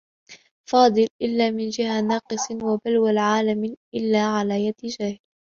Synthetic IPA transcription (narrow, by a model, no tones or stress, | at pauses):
fɑːd̪ˤɨlʔɪlːaːmɪnd͡ʒɪhanɑːqɨsˤwabalwalʕaːlamʔɪlːaːʕalaːjad̪d͡ʒaːhɪl